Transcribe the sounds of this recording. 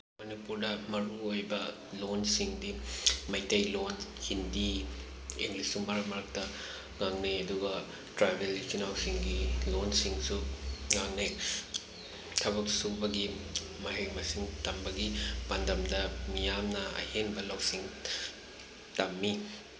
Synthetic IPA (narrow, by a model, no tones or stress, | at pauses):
mɐnipuɾdɐmɐɾuojbɐ | lonsiŋdimɐjtɐjlonhindi | ḛŋlisuŋbɐɾɐmɐɾɐk̚tɐ | ŋaŋneɐduɡɐ | tɾabelkʰinawsiŋɡilonsiŋsuŋaŋne | tʰɐβɐk̚subɐɡi | mɐɦekmɐsiŋtɐmbɐɡibɐndɐmdɐmijamnɐɐ̰heŋbɐlawsiŋ | tɐmːi